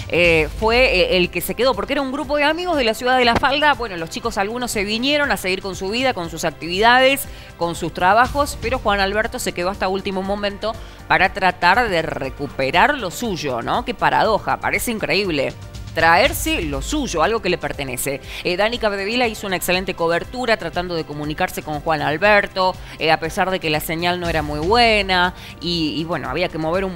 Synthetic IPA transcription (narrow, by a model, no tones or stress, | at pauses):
efweːlkese̞keð̞o̞po̞ɾkeeɾauŋɡɾupo̞ðeamiɣo̞zð̞elasjuðaðelafald̪aβwe̞nolost͡ʃiko̞salɣuno̞sːe̞βinje̞ɾo̞naseɣiɾko̞nsuβ̞iðako̞nsusak̚t̪iβiðað̞es | ko̞nsust̪ɾaβaxo̞speɾo̞xwanalβeɾt̪o̞se̞keðo̞ast̪ault̪imomõ̞mẽnt̪o̞ | paɾat̪ɾat̪aɾðerḛkupeɾaɾlo̞suʒo̞̰nokepaɾa̰ðo̞xa̰pa̰ɾe̞seiŋkɾeiβle̞̰ | t̪ɾaeɾselo̞suʒo̞alɣo̞kele̞peɾt̪ene̞se̞ðanikaβeðeβ̞ilaiso̞unaekse̞lent̪e̞ko̞βeɾt̪uɾat̪ɾat̪and̪o̞ð̞e̞ko̞mũnikaɾse̞ko̞ŋxwanalβeɾt̪o̞ | ape̞saɾð̞e̞kelaseɲalnoeɾamujβwena | iːβweno̰a̰β̞iake̞mo̞β̞e̞ɾun